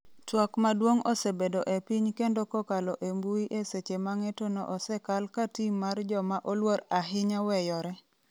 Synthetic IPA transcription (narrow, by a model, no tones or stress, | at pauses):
twɔkmadwoŋosebedoʔepiɲkendokɔkalɔʔembuiʔeset͡ʃemaŋetonɔ̰ʔɔsɛkalkatimːard͡ʒɔmaʔolwoɾaɦɪɲawɛjɔɾɛ